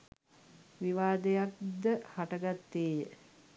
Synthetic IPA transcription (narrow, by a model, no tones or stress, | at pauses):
ʋiʋaːd̪ejak̚d̪əhaʈəɡat̪ːeːjə